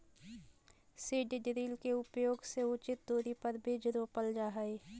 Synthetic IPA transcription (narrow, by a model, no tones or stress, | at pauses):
siːɖiɖɾiːlkeʊpjoːɡseʊt͡ʃɪt̪̚d̪oːɾipəɾbʱed͡ʒɾoːpəld͡ʒaːɦəe